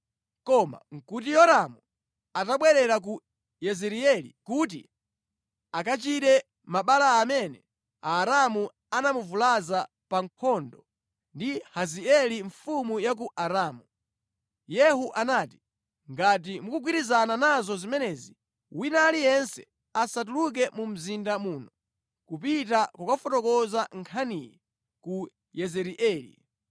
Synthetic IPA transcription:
kɔma̰ŋ̩kut̬ijɔɾamu | ataɓwɛɾɛɾak̬u | jɛzɛɾiɛlḭkut̬ḭ | akat͡ʃiɾɛ | maɓalaːmɛnɛ | a̰ːɾamu | anamuvulaza | paŋkʰɔndɔ | ndihaziɛliɱfumujak̬uʔaɾamu | jɛhuʔanaːti̥ | ŋɡat̬imukuɡwiɾizananazɔzimɛnɛzi | winalijɛnsɛ̰ | asat̬uluk̬ɛmum̩zindamuːnɔ | kupitakukafɔtɔkɔzaŋkʰanijɛ | ku | jɛzɛɾiʔɛːlḭ

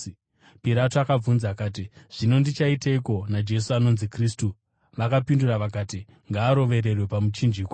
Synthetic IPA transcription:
piɾatoakab͡vunzaːkaːt̬iʐ̥ino̞ndit͡ʃaitaiko̞nad͡ʒe̞s̬uano̞nzikristu | ʋakapinduraʋakaːti | ŋɡaːɾo̞ʋe̞ɾe̞rwe̞pamut͡ʃind͡ʒiːko

